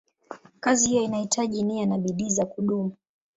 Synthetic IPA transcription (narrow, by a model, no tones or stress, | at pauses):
kazihijɔinahitʰaʄinianaɓiɗiːzakuɗumu